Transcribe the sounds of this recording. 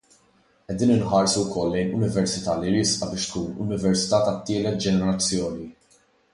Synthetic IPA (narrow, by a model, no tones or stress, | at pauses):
ʔɛd̪iːnɪnħɐːɾsuwkɔlːɛjnʊnɪvɛɾsɪt̪ɐːliɾɪsʔɐbɪːʃt̪̚kuːnʊ̰nɪvɛɾsɪ̥t̪ɐːt̪ɐt̪ːɪːlɛt̪̚d͡ʒɛnɛɾɐt͡sːjɔːni